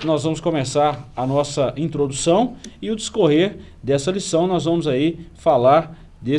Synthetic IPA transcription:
nɔzvɐ̃mʊskõmesaɾɐnɔsɐʔĩnt̪ɾod̪usɐ̃w̃ɪʊd̪ɪskoɦeɾ | d̪ɛsɐlisɐ̃w̃nɔzvɐ̃mʊzaifalaɾ | d̪e

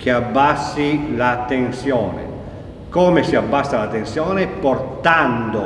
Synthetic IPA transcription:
k̟eabːasːilat̪ensjɔːnḛ | koːmesiabːasːalat̪ensjɔːneport̪and̪o

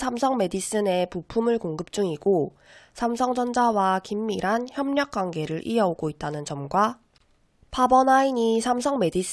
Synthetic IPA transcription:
sʰamsʰʌŋme̞dis͈ɯne̞pupʰumɯɭkoŋɡɯp̚t͡ɕ͈uŋiɡo | sʰamsʰʌŋd͡ʑʌnd͡ʑawakimːiɾɦançjʌmɲʌk̚k͈waŋɡe̞ɾɯɾʔḭʌoɡoit̚t͈anɯnt͡ɕʌmɡwa | pabʌnaiɲisʰamsʰʌŋme̞dis͈

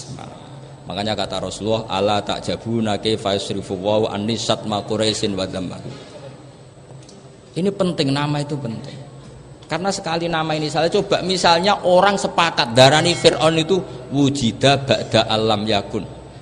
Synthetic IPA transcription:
makaɲakat̪aɾɔsluɔha̰lat̪a̰ʔd̥ʒ̥a̤b̥unakefaɪsɾifuwauʔa̰nːisat̪̚makuɾajsɪnwad̪ama̰kṵ | inipənt̪ɪŋnamait̪upənt̪ɪŋ | karnasə̥kalinamainisalit͡ʃob̥a̤ʔmisalɲaʔoɾaŋsəpakat̪̚d̪̥a̤ɾanifɪrʔɔnit̪uwu̥ʒ̥id̪̥a̤b̥a̤ʔd̪̥a̤ʔalamjakʊn

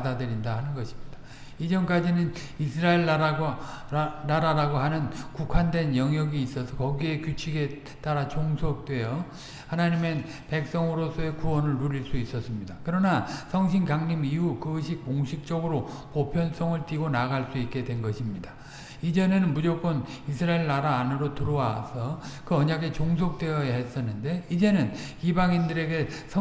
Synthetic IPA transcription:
padadɯɾindahanɯnɡʌɕʰi̥mɲid̥a | id͡ʑʌnk͈ad͡ʑinɯn | isʰɯɾaeɭ | naɾaɾaɡoɦanɯnkukʰwandwe̞njʌŋjʌɡiːs͈ʌsʰʌkʌɡie̞kjut͡ɕʰiɡe̞ | t͈aɾat͡ɕoŋsʰok̚t͈we̞jʌ | hanaɲimen | pe̞k̚s͈ʌŋɯɾos͈ʰʌe̞kuwʌnɯɭnuɾiɭs͈uis͈ʌs͈ɯmɲidakɯɾʌnasʰʌŋɕʰinɡaŋɲimiɦukɯɕʰik͈oŋɕʰik̚t͡ɕ͈ʌɡɯɾopopʰjʌns͈ʌŋɯɭt͈iɡonaɡaɭs͈uik͈e̞dwe̞nɡʌɕʰimɲida | id͡ʑe̞nenɯnmud͡ʑok̚k͈ʌn | isʰɯɾaeɭːaɾaːnɯɾotɯɾowasʰʌkɯʌɲaɡe̞t͡ɕoŋsʰok̚t͈we̞ʌjaɦe̞s͈ʌnːɯnde̞id͡ʑe̞nɯnibaŋindɯɾe̞ɡe̞sʰʌ

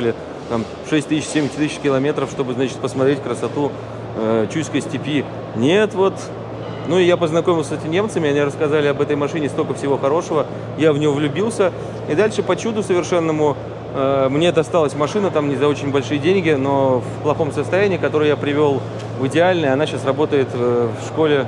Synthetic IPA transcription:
lʲɪ | t̪am | ʂɛsʲtʲt̪ɨɕsʲemʲɪtʲt̪ɨɕkʲɪlˠɐmʲe̞t̪ɾəfʂt̪o̞bɨznat͡ɕɪt̪̚pəsmɐt̪ɾʲet̚ʲkɾəsɐt̪u | ət͡ɕuskəsʲtʲɪpʲi | nʲet̪vo̞t̪ | nuɪjapəznɐkomʲɪlˠsʲɛtʲɪmʲɪnʲe̞mt̪sɨmʲɪɐnʲiɾəskɐzalʲɪɐbɛt̪əjmɐʂɨnʲɪst̪olʲkəfsʲɪvo̞xɐɾo̞ʂəvə | javnʲɪjovlʲʊbʲilˠsʲə | id̪alʲʂɨpɐt͡ɕud̪ʊsəvʲɪrʂɛnːəmʊ | əmnʲe̞ɛt̪ɐst̪alˠəsʲmɐʂɨnət̪amnʲɪzɐo̞t͡ɕɪnʲbɐlʲʂɨjədʲenʲɡʲɪno̞fplˠɐxo̞msəst̪ɐjænʲiːkɐt̪o̞ɾɨjapɾʲɪvʲo̞lˠ | vɨdʲɪalʲnəjɐnaɕasrɐbo̞t̪əjɪt̪əfʂko̞lʲɪ

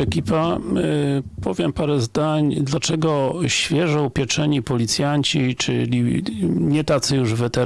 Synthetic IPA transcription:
ɛkʲipa | pɔvʲjɛmpaɾɛzd̪aɲd̪lat͡ʂɛɡɔɕfʲjɛʐɔwpʲjɛt͡ʂɛɲipɔlʲit̪sʲjaɲt͡ɕit͡ʂɘlʲiɲɛt̪at̪sɨjuʐvɘt̪ɛ

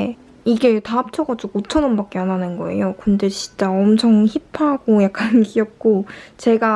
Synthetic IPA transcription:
iɡe̞taːp̚t͡ɕʰʌɡad͡ʑokot͡ɕʰʌnɯnbak̚k͈eananɯnɡʌe̞̰jokɯnde̞t͡ɕint͡ɕ͈aʌmt͡ɕʰʌŋçipʰaɡojak̚k͈ankiʌp̚k͈ot͡ɕe̞ɡa

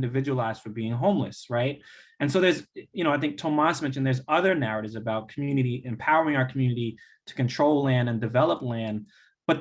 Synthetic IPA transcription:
ndɨvɪd͡ʒɨwl̩ˠaɪzd̥fəbiɪ̃ŋɦõʊ̃mlɨ̰sɹaɪt̚ɨ̃nsoʊðə˞zjɨñoʊaɪθɪ̃ŋk̚tʰõʊmɑsmɛ̃nt͡ʃʃɨ̃n̩ðə˞zʌðə˞næɹɨɾɨvzɨbaʊt̚kʰmjʉnɨɾiʔɨ̃mpʰaʊə˞ɪ̃ŋaʊə˞kʰm̩jʉnɨɾi | ɾɨ̥kɨ̃ntʰɹ̥oʊlˠlæ̃ndɨ̃ndɨvɛlˠəplæ̃n | b̥ʌt̪̚

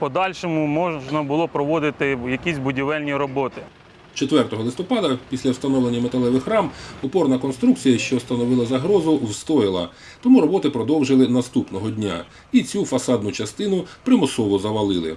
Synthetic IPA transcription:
pɔd̪ɑlʲʃɔmʊmɔnɐbʊlˠɔpɾɔʋɔd̪ɪt̪ɪjɐkʲisʲbʊdʲiʋɛlʲnʲiɾɔbɔt̪ɪ | t͡ʃet̪ʋɛrt̪ɔɦɔlˠɪst̪ɔpɑd̪ɐpʲisʲlʲɐwst̪ɐnɔʋlˠenʲːɐmet̪ɐlˠɛʋɪxɾɑmɔpɔrnɐkɔnst̪ɾukt͡sʲijɐʃt͡ʃɔst̪ɐnɔʋɪlˠɐzɐɦɾɔzʊwst̪ɔjɪlˠɐ̰ | t̪ɔmuɾɔbɔt̪ɪpɾɔd̪ɔwʒɪlˠɪnɐst̪upnɔɦɔdʲnʲa̰ | it͡sʲufɐsɑd̪nʊt͡ʃɐst̪ɪnʊpɾɪmɔsɔʋɔzɐʋɐlˠɪlˠɪ̰

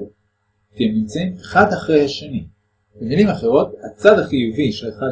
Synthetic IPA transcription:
teemimt͡saimeχad̪aχʁe̞jhaʃeni | b̥emilimaχe̞ʁo̞t̪hat͡sad̪aχijuviʃeleχa

